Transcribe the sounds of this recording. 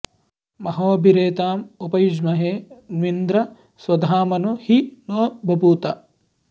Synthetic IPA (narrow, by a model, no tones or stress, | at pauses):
mɐɦoːbʱiɾeːt̪aːmupɐjud͡ʒmɐɦeːnʋind̪ɾɐ | swɐd̪ʱaːmɐnuhinoːbʱɐbuːt̪ɐ